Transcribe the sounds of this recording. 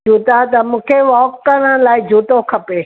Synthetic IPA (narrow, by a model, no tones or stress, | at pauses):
d͡ʒuːt̪at̪ɐmũːkʰeʋɔːkːəɽ̃əlaːɪd͡ʑʱuːt̪okʰɐpe